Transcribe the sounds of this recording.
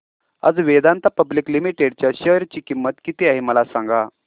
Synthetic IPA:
ə̰d͡zʋed̪ant̪apəbliklimiʈeɽt͡ɕjaɕəɾt͡ɕiːkimːət̪kit̪eaɦiməlasãŋɡa

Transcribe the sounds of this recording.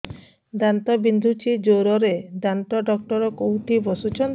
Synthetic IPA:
d̪ant̪ɔbind̪ʱut͡ʃʰid͡ʒoɾɔɾed̪ant̪ɔɖɔk̚ʈɔɾɔkoɦũʈ̪ʰibɔsut͡ʃʰɔnt̪

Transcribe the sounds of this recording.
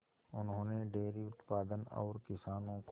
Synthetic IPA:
ʊnɦõːneɖeːɾiʊt̪paːd̪ənɔ̰ːɾkɪsaːnõk

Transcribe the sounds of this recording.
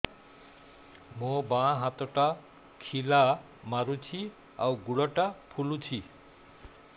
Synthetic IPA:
mobãɦãt̪ɔʈa | kʰila | maɾut͡sʰi | awɡuɽʌʈapʰulut͡sʰi

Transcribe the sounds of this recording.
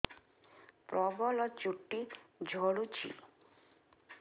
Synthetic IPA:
pɾɔbɔlɔt͡ɕuʈːid͡ʑʱoɽut͡ɕʰḭ

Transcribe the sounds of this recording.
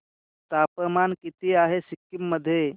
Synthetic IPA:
t̪apəmankit̪iaɦesikːimːəd̪ʱːje

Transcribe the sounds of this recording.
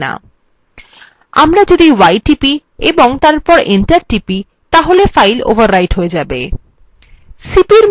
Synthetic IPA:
na̰ | a̰mɾad͡ʑod̪iwajʈipi | eboŋt̪aɾpɔɾeɳʈaɾʈipi | t̪aɦolefajlo̰baɾːajʈɦoed͡ʑabḛ | sipiɾm

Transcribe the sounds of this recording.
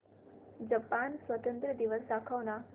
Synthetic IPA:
d͡ʑəpansʋət̪ənt̪ɾəd̪iʋəsd̪akʰaʋna

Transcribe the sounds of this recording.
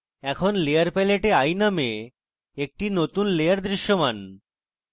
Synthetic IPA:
ɛkʰonlejaɾpɛleʈeajname | ek̚ʈinot̪unlejaɾd̪ɾiʃːoman

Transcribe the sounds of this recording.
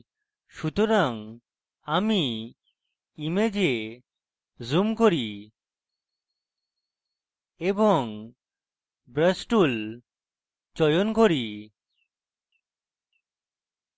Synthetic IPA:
ʃut̪oɾaŋ | ami | imed͡ʑe | zumkoɾi | eboŋ | bɾəsʈul | t͡ɕɔjonkoɾi

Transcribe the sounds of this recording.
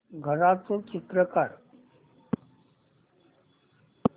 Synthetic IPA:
ɡʱəɾat͡sot͡ɕit̪ɾəkaɾ

